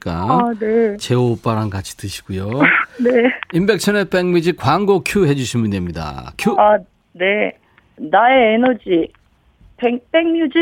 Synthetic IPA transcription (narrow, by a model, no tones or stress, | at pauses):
k͈a̰net͡ɕe̞op͈aɾankat͡ɕʰi̥tɯɕʰi̥ɡ̥ujone̞imbe̞k̚ɕʰʌnep͈eŋmjud͡ʑikwaŋɡokʰjuɦe̞d͡ʑuɕʰimundwemɲida̰kʰjua | ne̞ | naeenʌd͡ʑi | peŋp͈eŋmjud͡ʑi